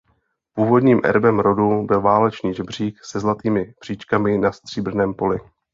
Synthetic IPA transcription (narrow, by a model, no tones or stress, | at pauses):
puːvo̞dɲiːmʔɛ̰ɾbɛmɾo̞dubɪlvaːlɛt͡ʃniːʒɛbr̝iːksɛzlat̪iːmɪb̥r̥iːt͡ʃkamɪnast̪r̝̥iːbr̩nɛːmpo̞lɪ